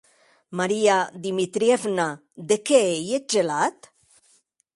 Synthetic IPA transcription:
maɾiad̪imit̪ɾievna | d̪ekeejed͡ʒelat̪

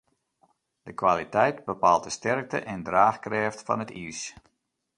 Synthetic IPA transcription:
d̥əkʋaːlitɛjtbəpaːlˠtəstɛrk̚tə̰ʔɛndraːxkrɛːftfɑ̰nətḭs

